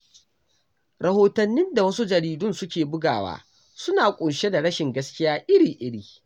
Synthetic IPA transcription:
ɾɐ˨hoː˦tɐ˨nːɪ˦nda˨wɐ˦su˦d͡ʒɐ˨ɾiː˨dʊ˦nsʊ˦kʲeː˨bʊ˦ɡaː˨wa̰ː˦ | sʊ˦naː˨kʷʼʊ˨nʃe˦da˨ɽɐ˦ʃɪ˨ŋɡɐ˦skʲɪ˦jaː˦ʔɪ˦ɾiː˨ʔɪ˦ɽiː˨

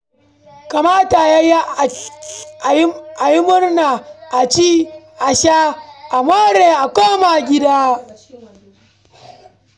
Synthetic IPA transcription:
ka˨maː˦ta˨ja˦j | ʔa˨jɪ˦mʊ˦rnaː˨ʔa˨t͡ʃiː˦ | ʔa˨ʃaː˦ʔa˨moː˦ɾeː˨ʔa˨kʷoː˦ma˨ɡʲɪ˦daː˦

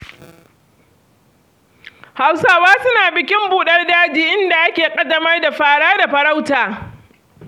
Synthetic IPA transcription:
ha˦˨wsaː˦waː˦sʊ˦naː˨bɪ˨kʲɪ˦mbuː˨ɗɐ˦rdaː˦d͡ʒiː˦ʔɪ˦nda˨ʔa˦kʲeː˨kʼɐ˦dɐ˦mɐ˦rda˨ɸaː˦ɽaː˦da˨ɸɐ˨ɾa˦wtaː˨

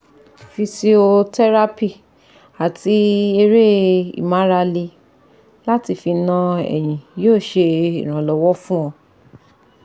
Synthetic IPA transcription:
fi˧si˧o˧tɛ˦ɾa˦pi˦˨ | a˨ti˧˦e˧ɾe˦ḭ˨mã˨˦ɾa˧li˧ | la˦ti˧fi˧nã˧ɛ̰˨j̃ĩ˨joː˦˨ʃe˧ḭ˨ɾ̃ã˨lɔ˨˦wɔ˦fũ˦ɔ̃˧

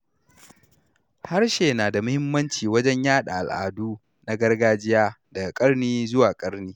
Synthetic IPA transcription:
ha˦rʃeː˨naː˨da˨mʊ˦hɪ˦mːɐ˦nt͡ʃiː˨wɐ˦d͡ʒɛ˦ɲjaː˦ɗa̰˨ʔa˨lʔa̰ː˨duː˦ | na˦ɡɐ˦rɡaː˦d͡ʒɪ˦jaː˦dɐ˨ɡa˨kʼɐ˦rniː˦zʊ˦waː˨kʼɐ˦ɽniː˦

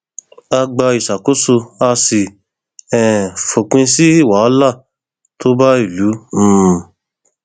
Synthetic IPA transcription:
a˧ɡ͡ba˧i˨sa˨ko˦so˧a˧si˨ | ɛ̃˨fo˨k͡pĩ˧si˦i˦˨wa˨˦ɔ˦la˦˨ | to˦ba˦i˦˨lũ˨˦˨

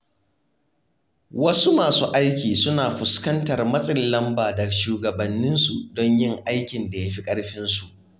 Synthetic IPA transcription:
wɐ˦su˦maː˨suː˦ʔa˦jkʲiː˨sʊ˦naː˨ɸʊ˨skɐ˦ntɐ˨rmɐ˦sʼɪ˨llɐ˦mbaː˨dɐ˨ʃuː˨ɡɐ˨bɐ˨nːɪ˦nsu˨dɔ˦ɲjɪ˦˨ŋʔa˦jkʲɪ˨nda˨ja˦ɸi˦kʼɐ˦ɽɸɪ˦nsu˨ʔ

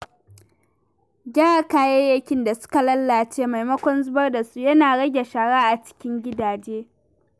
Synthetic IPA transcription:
ɡʲaː˦a˨kaː˦˨jɛ˦jɐ˦kʲɪ˦nda˨sʊ̥˦ka˨lɐ˦lːa˨t͡ʃeː˦ma˨jmɐ˦kʷɔ˦nzʊ˦bɐ˦rda˨su˦jɐ˦naː˨ɽɐ˦ɡʲe˨ʃaː˨ɽaː˦ʔa˨t͡ʃɪ̥˦kʲɪ˦ŋɡʲɪ˦daː˨d͡ʒeː˦

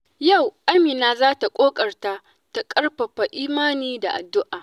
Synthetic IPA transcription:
ja˦˨wʔa˦miː˨naː˦zaː˦ta˨kʷʼoː˦kʼɐ˨rta˦ | ta˨kʼɐ˦rɸɐ˨ɸa˨ʔiː˦maː˦niː˦da̰˨ʔa̰˨dːʊ˦ʔaː˨

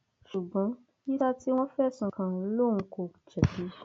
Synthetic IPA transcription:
ʃu˨ɡ͡bɔ̃˨˦ | i˦ta˦ti˦w̃ɔ̃˦fɛ˦˨sũ˧˨kã˧˨˦lo˦˨ũ˧ko˧˨d͡ʒɛ˨bi˨˦

